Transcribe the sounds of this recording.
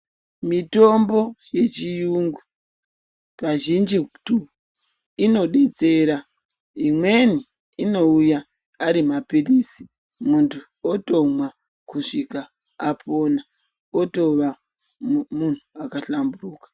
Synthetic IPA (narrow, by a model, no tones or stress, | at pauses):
mito̞mbo̞je̞t͡ʃijuŋɡu | kaʒind͡ʒitu | ino̞ɗet͡se̞ɾa | imwe̞ni | ino̞uja | aɾimapilisi̥ | muntʰu | oto̞mwa | kuʂikaː | pʰo̞na | oto̞ʋa | mun̤uakaɬamburuːkḁ